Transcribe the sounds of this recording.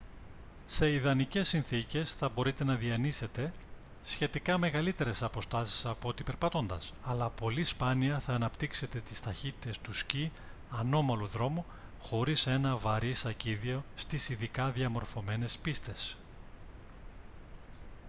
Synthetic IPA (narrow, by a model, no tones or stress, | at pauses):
se̞iðɐnice̞sːinθice̞sθɐbo̞ɾit̪e̞nɐðiɐnise̞t̪e̞ | sçe̞t̪ikɐme̞ɣɐlit̪e̞ɾe̞sɐpo̞st̪ɐsi̥sɐpoot̪ipe̞ɾpɐt̪o̞nd̪ɐsɐlɐpo̞lispɐniɐθɐːnɐpt̪ikse̞t̪e̞t̪i̥st̪ɐçit̪it̪e̞st̪usci | ɐno̞mɐluðɾo̞mu | xo̞ɾise̞nɐvɐɾisɐciðio̞st̪isiðikɐðiɐmo̞ɾfo̞me̞ne̞spist̪e̞s